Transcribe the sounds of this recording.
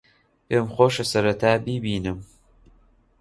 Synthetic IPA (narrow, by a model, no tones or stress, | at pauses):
ʔemxoːʃɐsɐɾɐt̪ʰaːbibiːnɨm